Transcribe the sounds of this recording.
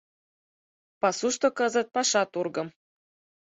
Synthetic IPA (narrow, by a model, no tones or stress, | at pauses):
pɑsuʃt̪ŏkɤzɤ̆t̪̚pɑʃɑt̪urɡɤ̆m